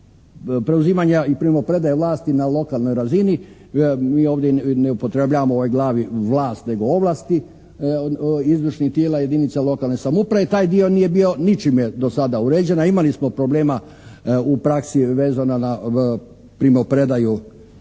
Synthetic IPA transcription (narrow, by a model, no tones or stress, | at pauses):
pɾe̞uziːmaɲaipɾimopɾe̞d̪ajaʋlˠaːst̪inalo̞kalˠno̞jɾazini | miːo̞ːʋd̪jeneupot̪ɾebʎaːʋamooʋojɡlˠaːʋiʋlˠaːst̪ne̞ɡo̞oʋlˠast̪i | izʋɾʃnit̪jelaje̞d̪init̪salo̞kalˠnesamopɾaʋet̪aːjd̪io̞nije̞bio̞nit͡ʃimjed̪o̞sad̪auɾeːd͡ʑe̞naimalismopɾo̞ble̞ːma | upɾaksiʋeːzanana | pɾimopɾe̞d̪aju